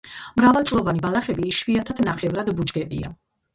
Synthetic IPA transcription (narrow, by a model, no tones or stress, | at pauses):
mɾavalˠt̪sʼlˠɔvanibalaχɛbiʃviat̪ʰad̪naχɛvɾad̪bud͡ʒɡɛpʼḭa̰